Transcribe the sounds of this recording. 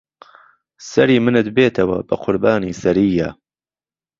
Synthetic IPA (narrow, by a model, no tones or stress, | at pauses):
sɐɾiːmɨnɨt̪̚beːt̪ʰɐwɐ̰bɐqʰʊɾbaːniːsɐɾiːja